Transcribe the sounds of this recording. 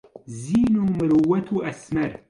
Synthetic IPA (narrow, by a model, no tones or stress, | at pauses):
zinoməɾuwɐt̪ʰuɐsmɐɾ